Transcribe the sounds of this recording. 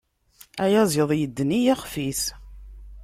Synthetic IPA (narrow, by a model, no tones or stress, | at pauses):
æjæzˤəðˤjəd̪ːnijæχfiθ